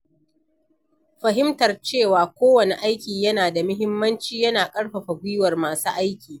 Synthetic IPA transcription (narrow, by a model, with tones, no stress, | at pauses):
ɸɐ˨ɦɪ˦mtɐ˨rt͡ʃeː˦˨waː˨kʷoː˦wɐ˨ne˨ʔa˦jkʲiː˨jɐ˦naː˨da˨mʊ˦ɦɪ˦mːɐ˦nt͡ʃiː˦jɐ˦naː˨kʼɐ˦ɽɸɐ˨ɸa˨ɡʷʊ˦jwɐ˨rmaː˨suː˦ʔa˦jkʲiː˨